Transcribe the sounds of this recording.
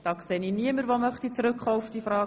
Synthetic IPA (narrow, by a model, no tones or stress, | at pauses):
d̥ɑːkseːniːniəməɾʋomœχt̪it͡sɾʏkχoːʊfd̥iːfrɑː